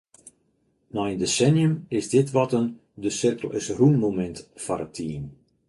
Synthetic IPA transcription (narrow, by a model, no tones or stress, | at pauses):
nɔɪndesɛnjəmɪsdɪtʋɔtən | dəsɪrkəl̩ˠɪsrunmomɛntfɔɾətʰːiːn